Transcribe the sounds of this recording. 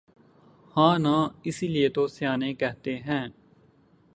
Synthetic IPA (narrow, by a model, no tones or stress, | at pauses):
hãːnãːɪsilɪeːt̪oːsɪjaːnẽːkɛɦt̪eːɦɛ̃ː